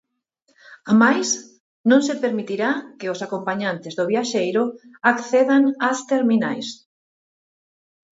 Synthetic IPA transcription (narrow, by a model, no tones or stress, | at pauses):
amajs | nõŋsepeɾmit̪iɾakɪʊsakompaɲant̪ɪzðoβ̞jaʃejɾʊakθeðaŋast̪eɾminajs